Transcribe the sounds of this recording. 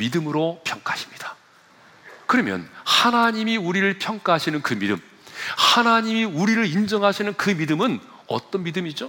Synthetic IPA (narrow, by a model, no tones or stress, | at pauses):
midɯmɯɾopʰjʌŋk͈ahaɕʰi̥mɲid̥a | kɯɾʌmjʌ̰nhanaɲimiuɾiɾɯɭpʰjʌŋk͈aɦaɕʰinɯnkɯmidɯ̰m | hanaɲimiuɾiɾɯɾind͡ʑʌŋɦaɕʰinɯnkɯmidɯmɯn | ʌ̰t͈ʌnmidɯmid͡ʑo